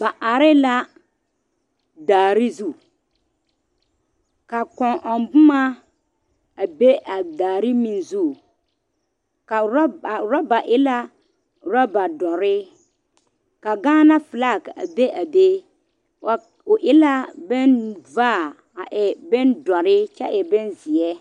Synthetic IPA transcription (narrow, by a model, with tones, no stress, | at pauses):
ba˨ʔa˨ɾɪ˦la˦ | daː˨ɾɪ˦zu˦˨ | ka˨kɔ̃˨ŋʔɔ˨nbʊ˦ma˦ | a˨be˦ʔa˨daː˨ɾɪ˦mi˨nzu˦˨ | ka˨˦˨ɾɔ˦ba˨ʔɪ˦la˦ | ɾɔ˦ba˨dɔ˨ɾɪ˦ | ka˨ɡaː˦na˦fɪ˨la˦˨ka̰˨be˦ʔa˨be˦˨ | ʊ˨ʔɪ˦la˦bɛ˦nvaː˦˨ | a˨ʔɛ˨bɛ˦ndɔ˨ɾɪ˦t͡ʃɛ˦ʔɛ˨bɛ˦nzɪ˨ɛ˦